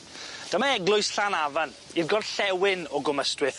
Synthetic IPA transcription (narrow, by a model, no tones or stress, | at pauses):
d̥əmaɛɡlˠʊɨsɬanavan | iðɡɔd̥ɬɛwɪnɔɡʊməstwɪθ